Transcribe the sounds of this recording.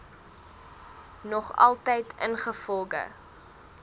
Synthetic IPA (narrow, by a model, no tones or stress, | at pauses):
nɔχɐ̰lˠtəjtʰənχəfɔlˠɡə̰